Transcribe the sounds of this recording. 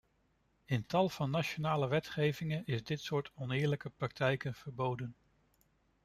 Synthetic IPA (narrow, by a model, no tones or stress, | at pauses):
əntɑlˠv̥ɑnːaʃonaːləʋɛtχejvɪŋənɪzdɪtsʊːɹtʰɔnɪːɹləkəprɑk̚tʰɛjkənv̥əɹbowdən